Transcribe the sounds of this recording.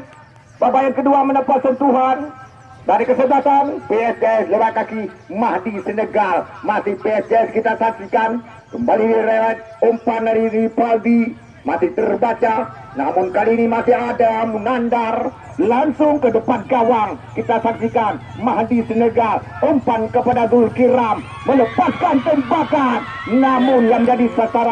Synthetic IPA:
babajankəduamənəpat̪̚sənt̪uɦan | baɾikəsəbat̪anpeɛsdeɛsləbakakimaɦdisənəɡalmasɪhpeɛsdeɛskit̪asak̚sikan | kəmbalidiɾeɛt̪̚ompanaɾiɾipaldi | mat̪ɪt̪ərbat͡ʃa | namʊnkaliːnimasɪɦadamʊnandar | laŋsʊŋkədəpankawaŋkit̪asak̚sikan | maɦdisənəɡalompankəpadaɡʊlkiɾamːələpaskant̪əmbakat̪̚namʊnjamd͡ʒadisasaɾa

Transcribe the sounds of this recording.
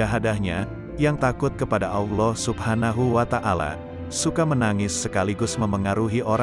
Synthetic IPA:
aɦadahɲa | jaŋt̪akʊt̪̚kəpadaʔawlɔsubhanaɦuwat̪aʔala̰ | sukamənaŋɪsːəkaliɡʊsməməŋaɾuɦiʔoɾ

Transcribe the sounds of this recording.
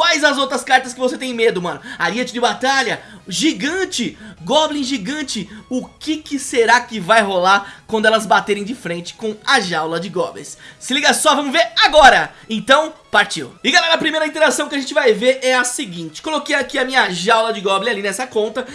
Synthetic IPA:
kwajzɐzowt̪ɾɐskaɾt̪ɐskɪvoset̪ẽj̃med̪ʊmɐ̃nʊaɾiɐt͡ʃɪd͡ʒɪbat̪aʎɐʒiɡɐ̃t͡ʃɪɡɔblĩʒiɡɐ̃nt͡ʃɪʊkɪkɪseɾakɪvajɦolaɾkwɐ̃nd̪ʊɛlɐzbat̪eɾẽj̃d͡ʒɪfɾẽnt͡ʃɪ̥kõw̃ɐʒawlɐd͡ʒɪɡɔ̰blḛ̃sːɪliɡɐsɔvɐ̃mʊzveɾaɡɔɾɐ | ẽnt̪ɐ̃w̃paɾt͡ʃḭwɪɡalɛɾɐpɾimejɾɐĩt̪eɾasɐ̃w̃kɪaʒẽt͡ʃɪvajveɾɛɐsɪɡĩt͡ʃɪ̥kolokejakiɐmĩɲɐʒawlɐd͡ʒɪɡɔblĩalinɛsɐkõnt̪ɐ

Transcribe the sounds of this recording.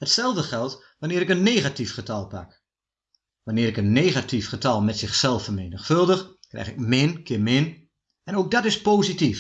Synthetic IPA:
hətsɛlˠvdəχɛlˠt | ʋanɪːɾɪkənːeːɣatifχətɑlˠpa̰k | ʋanɪːɾɪkənːeːɣatifχətɑlˠmɛtsɪχsɛlˠfərmeːnəxfɵlˠdəxkrɛ̰jxɪkmɪnkʰɪmɪn | ɛnowk̚dɔtɪspoːzitif

